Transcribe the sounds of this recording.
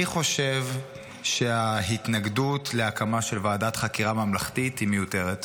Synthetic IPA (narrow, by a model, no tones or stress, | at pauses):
iχo̞ʃev | ʃeahitnaɡdutleakamaʃelvaːdat̪χakiʁamamlaχtithimejute̞ʁet